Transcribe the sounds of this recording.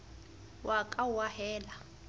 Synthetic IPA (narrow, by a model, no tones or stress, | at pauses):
wʔakʼauwahɛːla